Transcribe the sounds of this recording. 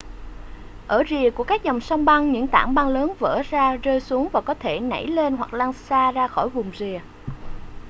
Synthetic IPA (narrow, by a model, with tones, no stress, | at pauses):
ʔəː˧˩zi˨˩əku˧˩əkaː˦˥k̚zɔ˨˩wŋ͡msa˧wŋ͡mɓa˧ŋɲɨ̰˧˥ŋt̪aː˧˩ŋɓa˧ŋləː˨˦nvə̰˧˥zaː˧zəː˧jsu˨˦əŋvaː˨˩kɔ˨˦t̪ʰe˧˩na̰˧˩jle˧nɦwa˨˩k̚laː˧ŋsaː˧zaː˧xɔ˧˩jvʊ˨˩ŋ͡mzi˨˩ə